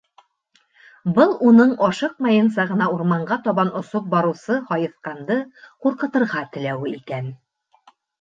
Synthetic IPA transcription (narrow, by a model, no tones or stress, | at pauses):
bɤlˠunɤɴɒʃɤq̚mɑjɤ̆nsɑʁɤ̆nɑuɾmɑɴɢɑt̪ɒβɑnʔŏsop̚bɒɾɤ̆wsɤhɒjɤ̆θqɑnd̪ɤquɾqɤ̆t̪ɤ̆ɾʁɑt̪ɘ̆læwɘikæn